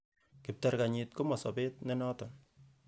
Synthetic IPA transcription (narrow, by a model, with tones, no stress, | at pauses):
kɪ˨p̚taɾka˨ɲɪtko˦mɔ˨sɔ˨bɪ˦tnɛ˦nɔ˦tɔ˨n